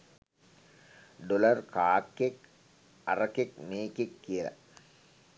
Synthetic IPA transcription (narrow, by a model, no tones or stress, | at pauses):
ɖolɐrkaːkːek | arɐkek̚meːkekːiəlæ̰